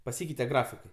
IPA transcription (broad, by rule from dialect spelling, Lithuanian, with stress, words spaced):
pɐˈsʲiːkʲɛɪtʲɛ ˈɡrɑːfʲɪkɐɪ